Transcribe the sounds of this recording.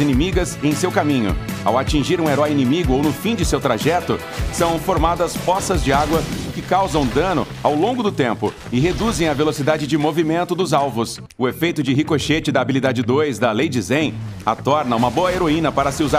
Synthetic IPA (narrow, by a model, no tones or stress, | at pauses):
inimiɡɐzẽj̃sewkamĩɲʊ̰a̰wat͡ʃĩʒiɾũeɾɔjinimiɡʊownʊfĩd͡ʒɪsewt̪ɾaʒɛt̪ʊ | sɐ̃w̃foɾmad̪ɐsfɔsɐzd͡ʒɪaɡwɐʊkɪkawzɐ̃w̃d̪ɐ̃nʊ̰ | awlõɡʊd̪ʊt̪ẽmpʊ̰ | ɪɦed̪uzẽj̃ɐvelosid̪ad͡ʒɪd͡ʒɪmovimẽnt̪ʊd̪ʊzawvʊs | ʊefejt̪ʊd͡ʒɪɦikoʃet͡ʃɪd̪ɐːbilid̪ad͡ʒɪd̪ojzd̪ɐlejd͡ʒɪzẽj̃a̰t̪ɔɾnɐũmɐboɐeɾoĩnɐpaɾɐsɪuza